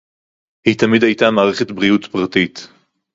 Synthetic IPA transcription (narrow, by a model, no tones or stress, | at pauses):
hit̪amid̪hajtamaːʁeχetbʁiutpʁatit̪